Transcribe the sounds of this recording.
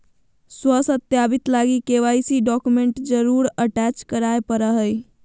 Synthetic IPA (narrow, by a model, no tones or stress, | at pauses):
swəsət̪jabit̪laɡikeʋajsiɖɔkumeɳʈd͡ʒəɾuɾəʈɛt͡ʃkəɾaepəɾəɦəj